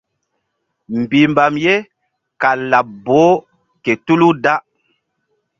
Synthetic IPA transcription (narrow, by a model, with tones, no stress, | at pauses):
m˨bi˨mba˨mje˦ | ka˨la˨p̚bo˨˦ | ke˨tu˦lu˦da˦